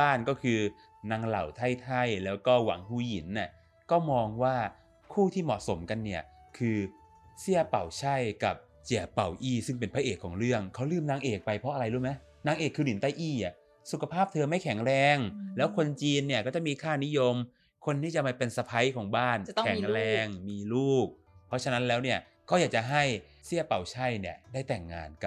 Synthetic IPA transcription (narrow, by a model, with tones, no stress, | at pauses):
aː˥˩nkɔː˥˩kʰɯː˧ | na˧˥ŋla̰˨˩wt̪ʰa˥˩jt̪ʰa˥˩jlɛː˦˥wkɔː˥˩wa̰˨˩˦ŋhuː˧˩ji˨˩˦nːi˧˥˩ | kɔː˥˩mɔː˧ŋwaː˥˩ | kʰuː˥˩t̪ʰiː˥˩mɔ̰˨˩ʔso˩˦mka˧nːi˥˩ɐkʰɯː˧ | si˥˩əpa˨˩wt͡ɕʰa˥˩jka˨˩p̚ | t͡ɕi˨˩əpa˨˩wʔiː˥˩sɯ˥˩ŋp̬e˧npʰa˦˥ʔeː˨˩kʰːɔː˩˦ŋɾɯ˥˩əŋkʰa˦˥wlɯː˥˩mnaː˧ŋʔeː˨˩k̚pa˧jpʰɾɔ˦˥ʔɾa˧jɾu˦˥˩ma˦˥ | naː˦˥ŋʔeː˨˩kʰːɯː˧ni˨˩˦nt̪a˥˩jʔiː˥˩ʔa˨˩ | su˨˩kʰa˧pʰaː˥˩p̚t̪ʰɤː˧ma˥˩jkʰɛ˨˩˦ŋɾɛː˧ŋlɛː˦˥wkʰo˧nt͡ɕiː˧nːi˥˩ɐkɔː˥˩t͡ɕa˨˩ʔmiː˧kʰaː˥˩ni˦˥jo˧m | kʰo˧nt̪ʰiː˥˩t͡ɕa˨˩ma˧˩pe˧nsa˧pʰa˦˥jkʰɔː˩˦ŋbaː˥˩n˥kʰɛ˨˩˦ŋɾɛɛː˧ŋmiː˧luː˥˩k̚ | pʰɾɔ˦˥t͡ɕʰa˧na˦˥nlɛː˦˥wni˥˩ɐ | kʰa˦˥˩jaː˨˩k̚t͡ɕa˨˩ɦa˥˩j | si˥˩pa˨˩wt͡ɕʰa˥˩jni˥˩ədaː˥˩jt̪ɛ˨˩ŋːa̰ː˧nka˨˩p̚